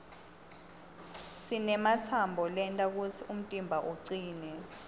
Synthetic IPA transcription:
sinɛmat͡sʰambʱɔlɛntʼak̬ut͡sʰium̩tʼimbʱaʔuǀiːnɛ

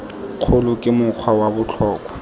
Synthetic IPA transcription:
q͡χʰolʊkʼɪmʊq͡χʰwawabʊt͡ɬʰɔːkʼwa

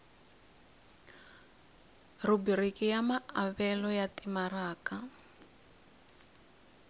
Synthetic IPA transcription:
rubirikʼijamaaβɛlɔjatimaraːka

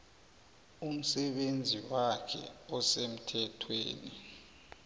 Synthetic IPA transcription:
um̩sɛɓend͡zʱiwakʰɛ̰ɔsem̩tʰɛtʰwḛːni

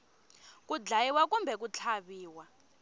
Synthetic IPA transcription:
k̬ʼud͡ɮajiwak̬umbʱɛk̬ut͡ɬʰaɓiːwa

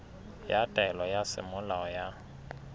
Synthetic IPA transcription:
jatʼɛlɔjasɪ̰mʊlaɔja

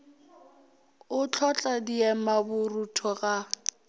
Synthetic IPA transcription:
ʊt͡ɬʰɔt͡ɬʼadiɛmabʊrutʰɔɣa

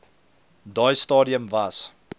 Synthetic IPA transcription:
dɑːjstɑːdiəmvɐs

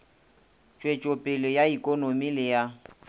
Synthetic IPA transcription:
t͡ʃʼwet͡ʃʼopʼɪlɪjaikʼonomilɪja

